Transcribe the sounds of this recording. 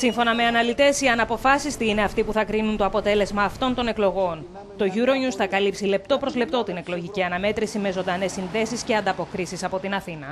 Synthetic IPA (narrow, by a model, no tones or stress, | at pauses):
siɱfo̞nɐme̞ɐnɐlit̪e̞siɐnɐpo̞fɐsist̪iine̞ɐft̪ipuθɐkɾinunt̪o̞ɐpo̞t̪e̞le̞zmɐːft̪o̞nt̪o̞ne̞klo̞ɣo̞n | t̪o̞ʝuɾo̞ɲusθɐkɐlipsile̞pt̪o̞pɾo̞zle̞pt̪o̞t̪ine̞klo̞ʝiciɐnɐme̞t̪ɾisime̞zo̞nd̪ɐne̞sːinðe̞sisce̞ɐnd̪ɐpo̞kɾisisɐpot̪inɐθinɐ